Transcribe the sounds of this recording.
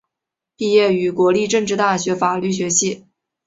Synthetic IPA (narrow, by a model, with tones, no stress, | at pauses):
pi˥˧jɛ˥˩y˨˩kwɔ˧˥li˥˧ʈ͡ʂɤ˥˧ŋʈ͡ʂɻ̩˥˧t̪a˥˩ɕɥɛ˧˥fa˨˩ly˥˩ɕ̬ɥɛ˧˥ɕi˥˩